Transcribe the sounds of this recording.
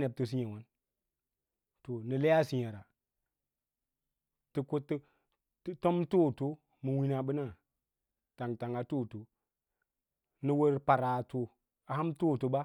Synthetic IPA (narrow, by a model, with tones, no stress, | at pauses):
ne˨b̚to˨s̬i˦ɲe˨wa˦n | to˨ni˨le˦ja˦si˨ɲa˨ɾa˨ | ti˨ko˦t | to˦mto˦˨to˦ | mɨ˨wi˦na˨ɓɨ˦na˦˨ | ta˨ŋta˨ŋa˨to˦˨to˨ | ni˨wə˦ɾpa˨ɾa˨to˨ | a˨ha˦mto˦˨to˨ba˦